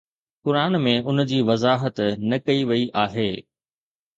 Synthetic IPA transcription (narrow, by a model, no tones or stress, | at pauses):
kʊɾaːnmẽʊnd͡ʑiːʋɐzaːɦət̪nɐkɐiʋɐiʔaːɦeː